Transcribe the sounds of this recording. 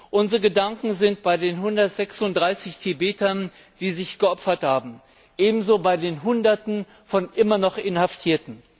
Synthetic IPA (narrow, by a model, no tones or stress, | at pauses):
ʔʊnzəʁəɡədaŋkŋ̩zɪnt̚b̥aɪdeːnɦʊndɐtz̥ɛksʊntd̥ʁaɪsɪçtʰebeːtɐn | d̥iːzɪçɡ̥əʔɔpfɐthaːbm̩ | ʔeːbm̩zoːbaɪdeːnɦʊndɐtn̩ | fɔnʔɪmɐnɔχʔɪnhaftʰiːɐtn̩